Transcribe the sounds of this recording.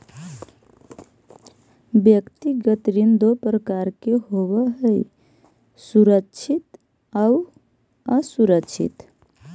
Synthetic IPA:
bjəkt̪iɡət̪ɾind̪opɾəkaɾkeɦoβəɦəj | suɾəkːt͡ʃʰit̪ | au | əsuɾəkt͡ʃʰḭt̪

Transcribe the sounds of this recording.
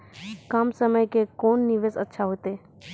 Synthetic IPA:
kɐmsəməjkekoːnːɪʋeːsətːʃʰaɦoːt̪eː

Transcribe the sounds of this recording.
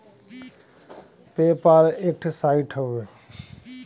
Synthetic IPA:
peːpaːlek̚ʈʰsaːiʈʰəwe

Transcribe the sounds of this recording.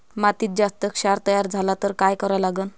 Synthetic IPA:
mat̪iːt̪̚d͡zast̪əkɕaɾt̪əjaɾd͡zʱalat̪əɾkajkəɾalaɡən

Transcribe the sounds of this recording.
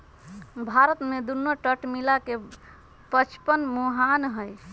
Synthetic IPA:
bʱaɾət̪med̪unːoʈəʈmilake | pət͡ʃʰpənmuɦanɦəj

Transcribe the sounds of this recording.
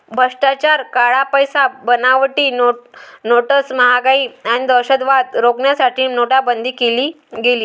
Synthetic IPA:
bʱəʂʈat͡ɕaɾkaɭapəjsabənaʋʈiːnonoʈəsməɦaɡaiːaɽ̃id̪əɾɕəd̪ʋad̪ɾoɡɳjasaʈʰiːnoɽabənd̪ʱiːkeliː | ɡeliː

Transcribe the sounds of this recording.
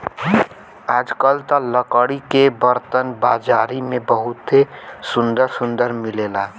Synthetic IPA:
aːd͡ʒkəlt̪ələkəɽikebəɾt̪ənbad͡ʒaɾimẽbəɦʊt̪esʊ̃nd̪əɾsʊnd̪əɾmilela

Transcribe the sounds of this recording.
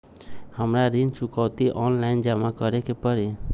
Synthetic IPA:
həmɾaɾint͡ʃʊkawt̪iʔɔnlaɪnd͡ʒamakəɾekepəɾi

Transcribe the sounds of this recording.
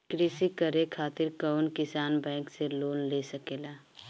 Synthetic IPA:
kɾisikəɾekʰaːt̪ɪɾkəʊnkɪsaːnbɛ̃ːŋkseloːnlesəkeːlaː

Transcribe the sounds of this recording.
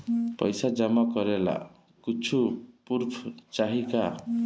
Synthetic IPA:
pɔ̰jsad͡ʒamakɔɾela̰ | kit͡ʃʰupuɾpʰɔt͡ʃaɦika

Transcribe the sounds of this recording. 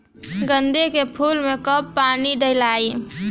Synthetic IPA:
ɡənd̪ekepʰulmekəpːaniɖəɪlai

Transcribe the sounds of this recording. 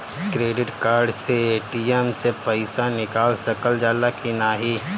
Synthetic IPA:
kɾeːɖɪʈkaːɾɖseeːʈiemsepəɪsanɪkaːlsɐkəld͡ʒaːlakinaːɦiː

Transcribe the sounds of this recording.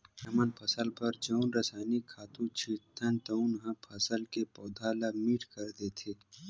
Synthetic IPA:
ɐmənpʰəsəlpɐɾd͡ʒəːnɾəsaːɪnikʰːaːt̪ũt͡ʃʰit̪ʰːənt̪əʊnɦə̃pʰɐsəlkepɔːd̪ʱaːlamiːʈʰkɐɾd̪et̪ʰeː

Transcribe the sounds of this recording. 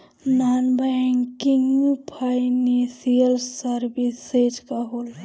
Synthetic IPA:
nanbaŋkiŋɡupʰajnesijəlsəɾbised͡ʒkaɦol

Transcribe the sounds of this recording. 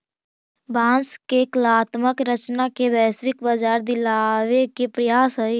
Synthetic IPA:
bãːnskeklaːt̪məkɾət͡ʃnakebɛːsɾɪkbəd͡ʒaːɾd̪ɪlaːʋekepɾəjaːsɦəi

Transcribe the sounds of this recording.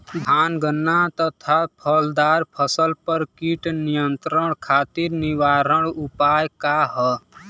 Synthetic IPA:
bʱaːnɡənːat̪ət̪ʰapʰəld̪aːɾpʰəsəlpəɾkiʈnijənt̪ɾəɳ̃kʰat̪iɾniʋaɾəɽ̃upajkaɦə

